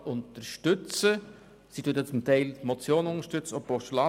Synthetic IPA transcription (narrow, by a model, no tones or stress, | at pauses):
ʔʊntəʃtʏt͡sə | sitʰuət̪jət͡sʊmt̪ʰaɪlmot͡sjoːnʊnəʃtʏt͡sopoʃlɑ